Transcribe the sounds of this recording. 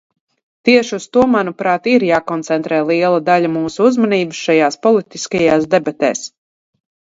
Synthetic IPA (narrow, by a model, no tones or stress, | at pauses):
t̪iɛʃiust̪uɔmanupɾaːt̪iɾjaːkɔnt̪sɛnt̪ɾɛːlˠiɛlˠad̪aʎamuːsuuzmaniːbɨsʃajaːspɔlˠit̪iskajaːsd̪ɛbat̪ɛ̰ːs